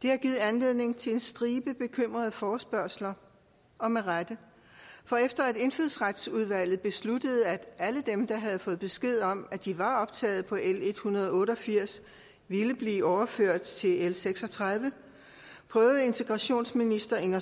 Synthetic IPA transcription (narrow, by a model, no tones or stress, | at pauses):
d̥e̝hæɐɡ̥iːð̞̩ˠænle̝ð̞̰ˠne̝ŋt͡sʰe̝e̝nsd̥ʁiːb̥əb̥e̝kʰøm̰ʁɐð̞ˠfɒːsb̥ɶɐ̰slɐ | ɒ̽meʁad̥ə | fɒ̽efd̥ɐæde̝nføð̩̰ˠsʁad̥suð̞ˠʋæl̰ð̩ˠb̥e̝slud̥əð̞̩ˠæ̥æləd̥emd̥ɑ̈ɦæð̞̩ˠfɔ̽ːð̩ˠb̥e̝sɡ̥e̝ð̞̰ˠɒ̽mæd̥iʋɑ̈ɒ̽b̥̚t͡sʰɛ̰ːð̞̩ˠpʰɒ̽ʔele̝d̥hunɐðˠɒɔ̽ːɾəɒ̽fiɐ̰s | ʋiləb̥liːɒʊɐføɐ̰d̥̚t͡sʰe̝elseɡ̥sɒ̽t͡sʰʁɑð̞ˠʋə | pʰʁœːʊð̩ˠe̝nt͡sʰe̝ɡ̥ʁɑ̈ɕo̝̰ːnsminisd̥ɐeŋɐ